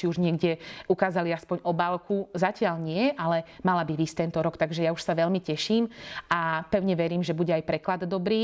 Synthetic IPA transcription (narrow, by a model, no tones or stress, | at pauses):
t͡ʃiuʒɲɪɛɡɟɪɛukaːzaliaspɔɲɔbaːlkuzacɪaʎɲɪɛʔalɛmalabiʋiːsct̪ɛnt̪ɔɾɔkt̪aɡʒɛjauʃsaʋɛʎmicɛʃiːmʔapɛʊɲɛʋɛɾiːmʒɛbuɟɛajpɾɛklad̪d̪ɔbɾiː